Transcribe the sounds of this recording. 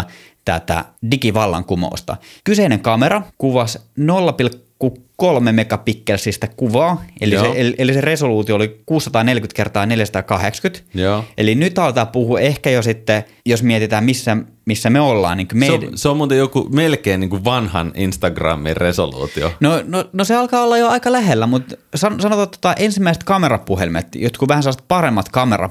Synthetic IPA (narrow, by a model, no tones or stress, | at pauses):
t̪æ̰t̪æ̰dikiʋɑlːɑ̰ŋkumo̰ːˑst̪ɑ̰kyseineŋkɑmerɑkuʋɑsnolːɑpilkːukolmemekɑpikːelsist̪ækuʋɑːḛliseeliʔeliseresoluːt̪ioolikuːsːɑ̥t̪ɑːnelkyt̪kert̪ɑːneljæsɑt̪ɑːkɑhekskyt̪joːʔelinyt̪ɑˑlʋt̪ɑːpuhuehkæjosit̪ːe | josmiɛt̪it̪æːmmisːæ | misːæmeolːɑ̰ːniŋkymeseommuːt̪ejokṵmelkeːniːŋkuʋɑnhɑ̰ninst̪ɑɡrɑ̰mːḭrresolṵːt̪io̰nononoseɑlkɑːolːɑjoɑikɑlæhelːæmut̪sɑnsɑnot̪ɑt̪ːŏ̥t̪ɑʔensimːæise̥t̪kɑmerɑpːuhelimḛt̪jot̪kuʋæhænselːɑset̪̚pɑremːɑt̪kɑmerɑ̰